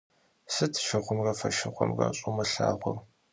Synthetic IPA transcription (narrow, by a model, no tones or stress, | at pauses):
sɨtʰʃɐχʷʊmrɐfɐʃɪχʷʊmrɐ̰ɕʼumɐɬaːʁʷʊ̰r